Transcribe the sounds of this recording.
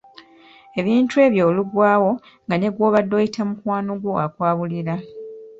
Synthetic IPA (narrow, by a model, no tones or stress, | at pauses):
e̞βiːntue̞ːβjo̞ːluɡwaːwo̞ | ŋɡane̞ɡwo̞ːβadːo̞ːjitʰamukwaːnoɡwoakwaːβuliɾa